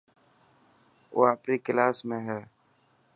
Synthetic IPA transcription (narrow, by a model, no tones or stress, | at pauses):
o̰ːapɾikɪlaːsmẽɦɛː